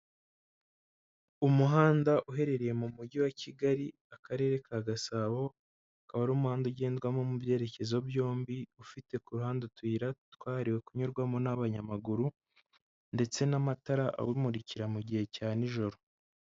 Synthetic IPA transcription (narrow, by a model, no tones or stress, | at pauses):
umuɦaːndaʔuɦe̞ɾe̞ɾeje̞mumuɟiwaciɡaɾi | akaɾe̞ːɾe̞kʰaɡasaːβo̞ | akaβaɾuːmuhaːnduɟe̞ːndɡwamo̞mubje̞ːɾe̞ce̞zo̞bjo̞ːmbiufite̞kuɾuhaːndutwiːɾatwaːɾiwe̞kuɲuɾɡwamo̞naβaɲamaɡuɾu | nde̞t͡se̞namataɾaʔa̰wimuɾiciɾamuɟihe̞caːniʒo̞ɾo̞